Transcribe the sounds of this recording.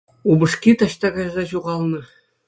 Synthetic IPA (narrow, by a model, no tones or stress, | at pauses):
ubɤ̆ʂkʲit̪ɑɕt̪ɑɡɑjzɑɕuʁɑlˠnɤ̆